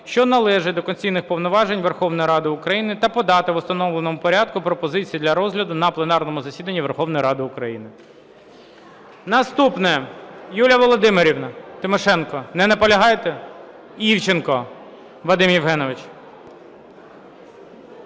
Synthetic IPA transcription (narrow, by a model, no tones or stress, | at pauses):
ʃt͡ʃɔnɐlˠɛʒɪd̪ɔkɔnʲt͡sʲijnɪxpɔʋnɔʋɑʒenʲʋerxɔwnɔjiɾɑd̪ɪʊkɾɐjinɪt̪ɐpɔd̪ɑt̪ɪʋʊst̪ɐnɔʋlˠenɔmʊpɔɾʲɑd̪̚kʊpɾɔpɔzɪt͡sʲijːd̪lʲɐɾɔzɦlʲɐd̪ʊnɐplˠenɑrnɔmʊzɐsʲid̪ɐnʲːiʋerxɔwnɔjɾɑd̪ɪʊkɾɐjinɪ | nɐst̪upnɛjulʲɐʋɔlˠɔd̪ɪmeɾʲiwnɐt̪ɪmɔʃɛnkɔnɛnɐpɔlʲɐɦɑjt̪ɛ | iwt͡ʃenkɔ | ʋlˠɐd̪ɪmjiwɦɛnɔʋɪt͡ʃ